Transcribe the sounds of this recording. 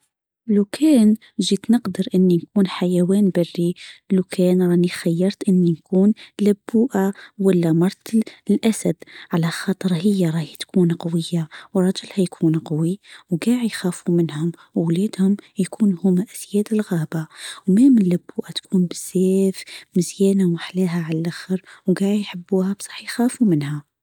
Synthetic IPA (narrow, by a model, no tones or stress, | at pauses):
lukʰæːn | ʒit̪nəqd̪əɾʔənːinkuːnħajæwæːnbɑrːilukʰæːnɾˤɑnixæjːɑɾˤt̪ʔənːinkuːnlæbːuːʔawælːæmɑɾˤt̪lʔæsæd̪ʕalæxɑːt̪ˤəɾhəjːaɾˤɑhit̪kʰuːnqɑwəjːawɾˤɑd͡ʒəlhæjkʰuːnqɑwiwɡaːʕijxæːfumənhʊmwwlæːd̪hʊmjkʰuːnhʊmæʔæsjæːd̪əlɣæːbawmæmənlæbːuːʔat̪kʰuːnbəz̥ːæːfməzjæːnawaħlæɦæʕalælʔaxəɾwɡaːʕijħəbːuːhæbsˤɑ̥ħːjxæːfumənhæ